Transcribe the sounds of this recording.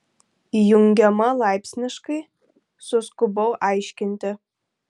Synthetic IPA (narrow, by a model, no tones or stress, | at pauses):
juŋʲɡʲɐmɐlˠɑjpsʲnʲɨʂkɐj | suskʊbowʔɑjʃʲkʲɪnt̪ʲɪ